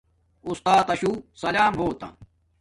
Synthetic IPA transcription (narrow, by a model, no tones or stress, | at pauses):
ust̪aːt̪ɐɕuːsɐlaːmɦoːt̪ɐ̰